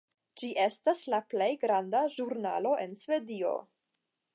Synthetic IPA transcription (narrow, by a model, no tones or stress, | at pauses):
d͡ʒiʔe̞staslaple̞jɡɾandaʒuɾna̰lo̞ʔe̞nsve̞dio̞̰